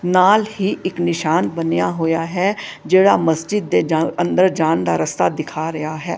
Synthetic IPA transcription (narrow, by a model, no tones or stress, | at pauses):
naːlhiːʔɪknɪʃaːnbənejaːɦoːjaːɦɛːd͡ʒeːɽaːməsd͡ʒɪd̪̚ːeːənd̪əɾd͡ʒaːnd̪a̰ːɾəst̪aːd̪ɪkʰaːɾəjaːɦɛː